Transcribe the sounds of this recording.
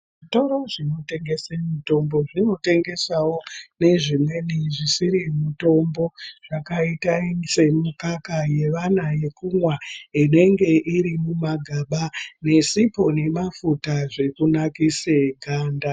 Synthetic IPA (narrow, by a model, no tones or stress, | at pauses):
ʐito̞ɾo̞ʐino̞te̞ŋɡe̞semito̞mbo̞ʐino̞te̞ŋɡe̞sawo̞ne̞ʐimwe̞niʐisiɾimito̞mbo̞ʐ̥akaitaise̞mukakaje̞ʋanaje̞kumwaine̞ŋɡe̞ʔiɾimumaɡʱaɓane̞sipo̞ne̞mafutaʐe̞kunakiseɡʱaːnda